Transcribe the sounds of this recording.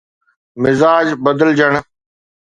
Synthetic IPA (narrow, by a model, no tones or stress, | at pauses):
mɪzaːd͡ʑbəd̪əld͡ʒəɽ̃